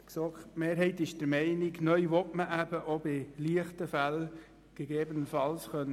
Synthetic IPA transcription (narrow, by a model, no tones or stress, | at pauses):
ksokmeːɾɦɛɪt̪ɪʃd̥əɾmɛɪnɪɡnœʏʋɔtməʔæb̥əʔobɪliəχtəfæl | ɡ̥eɡeːbənəfɑlsχœn